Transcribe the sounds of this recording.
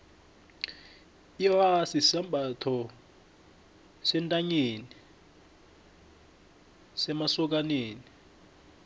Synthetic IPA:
iwasisambatʰɔ | sɛntʼaɲeːni | sɛmasɔk̬aneːni

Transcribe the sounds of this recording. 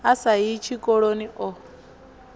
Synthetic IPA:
asaɦit͡ʃʰikʼɔɺoniʔɔ

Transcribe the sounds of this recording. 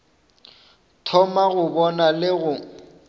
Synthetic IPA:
tʰɔmaɣʊbɔnalɪɣʊ

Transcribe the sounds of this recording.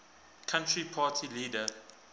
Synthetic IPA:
kʰãntʰɹipʰaːtʰiliːdə

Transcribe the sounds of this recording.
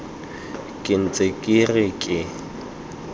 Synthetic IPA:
kʼɪn̩t͡sʼekʼirɪkʼɪ

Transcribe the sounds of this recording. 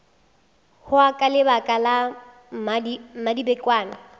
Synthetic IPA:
hʊakʼalɪbakʼala | mimadibɛkʼwaːnɪ

